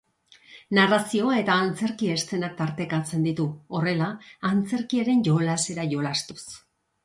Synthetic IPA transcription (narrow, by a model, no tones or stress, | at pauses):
narasio̞ae̞t̪aːnt͡se̞ɾkie̞st̪e̞nak̚t̪aɾt̪e̞kat͡se̞nd̪it̪uo̞re̞laːnt͡se̞ɾkiaɾe̞nʝo̞lase̞ɾaʝo̞last̪u̥s